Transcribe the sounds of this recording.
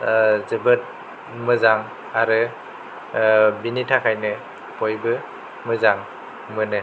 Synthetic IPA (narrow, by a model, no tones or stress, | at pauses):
zɯbɯt̚ | mɯzaŋ | aɾɯ | binitʰakʰajnɯ | pojbɯ | mɯzaŋ | mɯnɯ